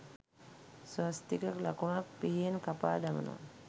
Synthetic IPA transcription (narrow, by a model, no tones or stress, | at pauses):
sast̪ikəklakumak̚piɦijenkapa̰ːd̪amə̰no̰a̰